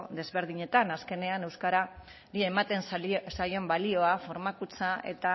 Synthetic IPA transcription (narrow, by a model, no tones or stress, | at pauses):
ðe̞zβe̞ɾð̞iɲe̞t̪anaske̞ne̞ane̞wskaɾa | ɾie̞mat̪e̞nsajo̞mbalio̞afo̞ɾmakut͡sae̞̰t̪a